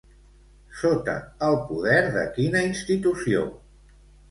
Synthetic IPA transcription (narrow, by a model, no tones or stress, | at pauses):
sot̪ə̰əlˠpuðɛɾðə̰kinəinst̪it̪usio̰